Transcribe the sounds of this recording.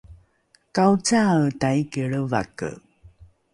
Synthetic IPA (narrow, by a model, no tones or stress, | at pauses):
kawt͡satajkiɭəva̰kə̰